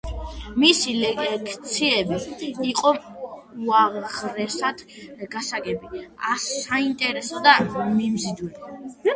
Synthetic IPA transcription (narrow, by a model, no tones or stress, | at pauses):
misilɛkʰt̪sʰiɛbiːqʼɔuaʁɾɛsad̪̥ɡ̥asaɡɛbiasaint̪ʼɛɾɛsɔd̪amimzid̪wɛli